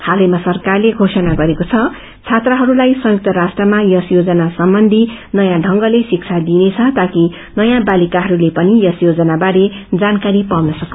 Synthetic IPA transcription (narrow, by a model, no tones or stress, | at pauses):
hʰalʌjmasʌrkarleɡʱosʌnaɡʌɾekot͡sʰʌ | t͡sʰat̪rʌɦʌɾulajsʌjuk̚t̪ʌɾasʈrʌmajʌsjod͡zʌnasʌmbʌnd̪ʱinʌjãɖʱʌŋɡʌlesik̚t͡sʰad̪inet͡sʰʌt̪aki | nʌjãbalikaɦʌɾulepʌnijʌsjod͡zʌnabaɽed͡zankaɾipawnʌsʌk